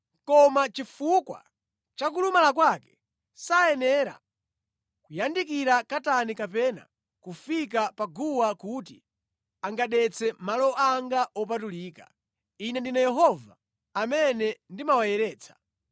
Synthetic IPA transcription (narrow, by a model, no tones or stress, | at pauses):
kɔmat͡ʃifukwa̰ | t͡ʃak̬ulumalak̬wakɛ̥ | saɛnɛɾa̰ | kujandik̬iɾakatanikapɛna̰ | kufik̬apaɡuwakut̬i | aŋɡaɗɛt͡sʰɛmalɔʔaŋɡaʔɔp̬atuliːka̰ | inɛndinajɛɦɔva̰ | amɛnɛndimawajɛɾɛːt͡sʰḁ